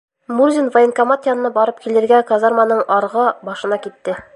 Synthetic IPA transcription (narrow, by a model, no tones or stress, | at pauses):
murzʲinvɐɪnkɐmat̪jɑnɤ̆nɑbɒɾɤp̚kilɘ̆ɾɡækazarmanɤɴɒɾʁɤbɒʃɤ̆nɑkit̪ːɘ